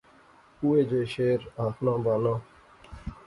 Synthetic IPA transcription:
uːeːd͡ʒoːjʃeːɾaːkʰnãːbaːnãː

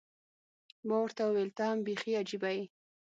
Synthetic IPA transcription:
mawəɾt̪awelt̪ambexiad͡ʒibaj

